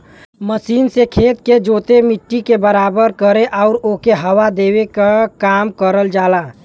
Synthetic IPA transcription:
məsiːnsekʰeːt̪ked͡ʒoːt̪emɪʈːikebəɾaːbəɾkəɾeʔɔʊɾoːkeɦəwad̪eːwekakaːmkəɾəld͡ʒaːlaː

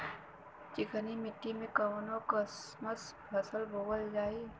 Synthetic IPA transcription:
t͡ʃɪkʰənimɪʈːimẽkəʋnokəsməsbʱɾəsəlbowəld͡ʒaːi

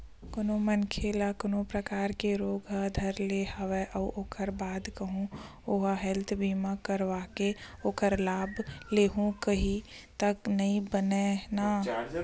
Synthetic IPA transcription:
kʊnõmənkʰeːlakʊnõpɾɐkaːɾkeɾoːɡad̪ʱəɾlehɐʋeʔəʔoːkʰəɾbaːd̪kəɦũ | oːɦaɦɛlt̪ʰbiːmakəɾʋaːkeoːkəɾlaːbleːɦũkɐɦit̪ɐknɐɦĩbənenaː

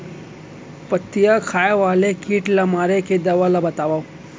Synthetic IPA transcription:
pɐt̪ːijakʰaːjaʋaːlekiːʈlamaːɾeked̪ɐʋalabɐt̪aːʋaw

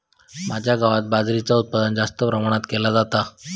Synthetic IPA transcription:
mad͡ʑʱjaɡaʋat̪̚bad͡zɾit͡saut̪̚pad̪ənd͡zast̪əpɾəmaɽ̃at̪kelad͡zat̪a

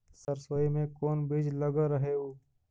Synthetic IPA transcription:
səɾsʋəimẽkoːnbeːd͡ʒləɡaɾəɦeoː

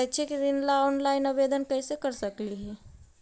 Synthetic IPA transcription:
ɛt͡ʃʰekiɾɪnlaɔːnlaːɪnɐbeːd̪ənkɐĩsekəɾsəkliɦɛː

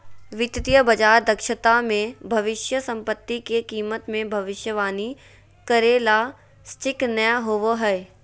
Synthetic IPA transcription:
ʋɪt̪ɪt̪ijəbɐd͡ʒaːɾd̪ɐkʃət̪amẽbʱɐʋɪʃjəsɐ̃mpət̪ːikekiːmət̪mẽbʱɐʋɪʃjəʋaːni | kɐɾeːla | sʈɪknəɦoʋoɦɛː

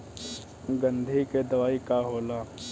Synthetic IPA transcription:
ɡə̃nd̪ʱiked̪ɐʋaːikaɦoːlaː

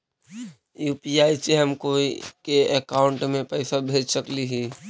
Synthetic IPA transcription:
juːpiaːjt͡ʃeɦəmkoikeɛkaːʊɳʈmẽpɛɪsabʱeːd͡ʒsəkliɦi

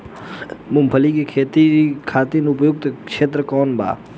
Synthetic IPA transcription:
mʊmpʰəlikekʰet̪ikʰaːt̪inʊpjʊk̚t̪kʃeːt̪ɾəkɔːnba̰ː

